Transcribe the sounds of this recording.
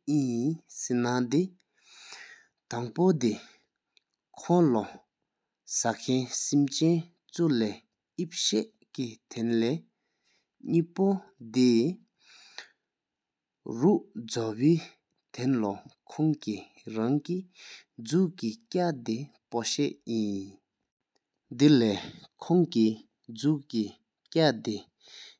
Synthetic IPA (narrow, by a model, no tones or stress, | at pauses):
ʔiisenad̪e | t̪aŋpod̪e | kʰɔŋlɔ | sakʰɛnsimt͡ɕɛn | t͡sulɛː | ʔip̚ɕeʔ | kit̪ʰenlɛː | ɲiːpod̪e | ɹuʔd͡zɔwiː | t̪ʰenlɔkʰɔŋki | ɹaŋkid͡zuʔkicad̪e | poɕɛʔjin | d̪ilɛːkʰɔŋki | d͡zuʔki | cat̪e